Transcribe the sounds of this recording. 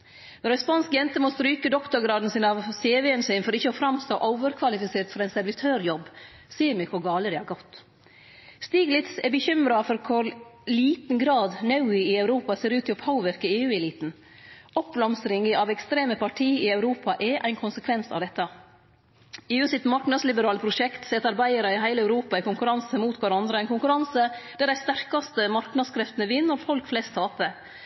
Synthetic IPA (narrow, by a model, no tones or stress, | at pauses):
nɔɾɛspɑnskjɛnt̪əmɔst̪ɾyːkəd̪ɔkt̪ʊɾɡɾɑːd̪n̩sɪnɑʋseːʋɛɛnsyːnfɔɾɪçːəɔfɾɑmst̪o̰ːʔɔʊʋəɾkʰʋɑlɪfɪseːɾt̪fɔɾæɪnsɛɾʋɪt̪ʰøːɾjɔbː | siːəɾmɛkʰʊɾɡɑːləd̪ɛhɑɡɔt̪ː | st̪iːɡlɪt̪sɛbəçʏmɾɑfɔɾkʰʊɾliːt̪n̩ɡɾɑːd̪nɑʉɪɪɑʉɾuːpɑseːɾʉːt̪ɪopʰaʊʋɛɾkəeːʉːɛliːt̪n̩ | ʔɔp̚blɑmsɾɪŋəʔɑʋɛkst̪ɾeːməpʰɑʈʰiːɪɑʉɾuːpʰɑʔɛʔæɪnkʰʊnsəkʰʋɛnsɑ̰ʋd̪ɛt̪ːɑ | eːʉːsɪt̪mɑɾknɑd̪slɪbəɾɑːləpʰɾʊʃɛkt̪sɛt̪ɑɾbæɪəɾɑɪɦæɪlæʉɾuːpɑɪkʊŋkʉɾɑnsəmuːt̪kʰɑɾɑnd̪ɾəæɪnkʊŋkʉɾɑnsəd̪̥æɾæɪst̪æɾkɑst̪əmɑɾknɑd̪skʰɾɛft̪nəʋɪnːɔɾfɔlkflɛst̪ʰːɑːpə